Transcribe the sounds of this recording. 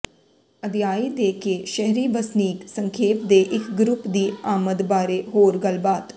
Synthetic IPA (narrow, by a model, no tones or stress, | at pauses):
əd̪jaːiːd̪eːkeːʃɛɦɾiːbəsniːksəŋkʰeːp̚d̪eːʔɪkɡɾʊpd̪iːaːməd̪baːɾeːɦoːɾɡəlbaːt̪